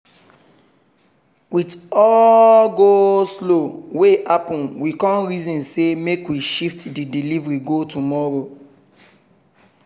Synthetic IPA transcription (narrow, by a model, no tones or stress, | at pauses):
witɔɡosloweʔapɔ̃nwikɔ̃nɹizɔ̃nsemekwiʃiftdidilivɹiɡotumɔɾo